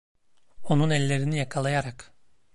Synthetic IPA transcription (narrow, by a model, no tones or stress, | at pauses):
o̞nunɛlʲːe̞ɾinijakʰalˠajaɾak